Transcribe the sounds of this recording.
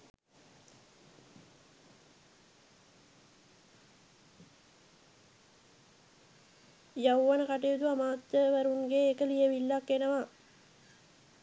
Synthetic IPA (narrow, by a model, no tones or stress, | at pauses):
jawːanəkaʈ̬ejud̪uamaːt̪jəʋæɾunɡeːkəlijəʋilːakːenəʋa